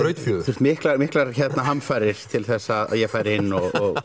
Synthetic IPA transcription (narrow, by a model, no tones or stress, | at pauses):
ɾœːɥt̪fjœːðθuːrst̪mɪhklamɪhklaɾçɛt̪naɦamfajɾɪɾ̥t̪ʰɪlθɛsːaða̰ðjɛɣfaːjɾɪɪnːɔɣɔɣ